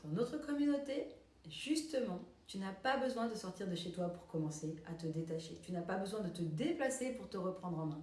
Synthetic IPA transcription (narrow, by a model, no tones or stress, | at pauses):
d̪̥ɑ̃not̪χəkɔmynot̪e | ʒyst̪əmɑ̃ | t̪ynapabəzwɛ̃d̪əsɔʁt̪iʁd̪əʃet̪wapuʁkɔmɑ̃seat̪əd̪et̪aʃet̪ynapabəzwɛ̃d̪ət̪əd̪eplasepuʁt̪əʁəpχɑ̃d̪ʁɑ̃mɛ̃